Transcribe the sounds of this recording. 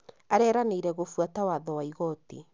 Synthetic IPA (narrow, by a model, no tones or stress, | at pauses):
aɾɛːɾaneiɾɛɣofwatawaðɔwaiɣɔtḭ